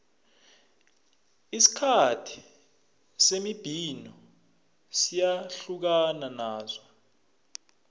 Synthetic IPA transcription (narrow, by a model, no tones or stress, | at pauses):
isi̥kʰatʰi̥ | semib̥ʱinɔ | sijaɬuk̬ananaːza